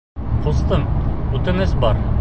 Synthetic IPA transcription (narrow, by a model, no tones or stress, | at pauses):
qʰŏst̪ɤnʉt̪ɘ̆ŋɘzbɑɾ